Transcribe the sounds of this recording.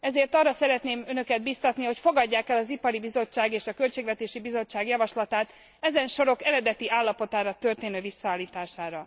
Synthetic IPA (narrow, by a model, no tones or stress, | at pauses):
ɛzeːrt̪ɒrːɒsɛɾɛt̪neːmønø̞kɛd̪̚bist̪ɒt̪niɦo̞cfo̞ɡɒɟːaːkɛlɒzipɒɾibizo̞t͡ʃːaːɡeːʃɒkø̞lt͡ʃeːɡvɛt̪eːʃibizo̞t͡ʃːaːɡjɒvɒʃlɒt̪aːt̪ | ɛzɛnʃo̞ɾo̞kɛɾɛd̪ɛt̪iʔaːlːɒpo̞t̪aːɾɒt̪ø̞rt̪eːnøːvisːɒaːlːiːt̪aːʃaːɾɒ